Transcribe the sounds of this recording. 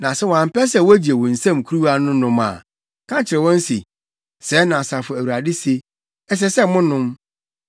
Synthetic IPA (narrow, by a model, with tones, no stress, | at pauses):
nã˨sɛ˦wɔ̃˨ã˨m̩˨pɛ˦s̬ɛ˦˨wɔ˦æ˦d͡ʑi˨e˨wɔ̃˨n̩˨sã˦˨m˨kʰu˦ɾu˦wa˦nʊ̃˦nʊ̃˦mã̰˨ | kʰã˦t͡ɕʰɪ˨ɾɛ˨wɔ̃˦n̩˦sḭ˨ | sɛ˨˦nã˨sa˨fʊ˨æ˨wu˨ɾa˨dɪ˦se˦ | ɛ˦s̬ɛ˦sɛ˦˨mʊ̃˦nːʊ̃˦m